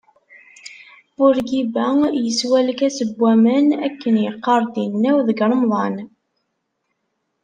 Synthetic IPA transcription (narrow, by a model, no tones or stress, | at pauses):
ʊɾɡibæjəswæləkæsəbːæmənækːənjəqːɑɾˤd̪inːæwðəɡɾˤəmðˤɑn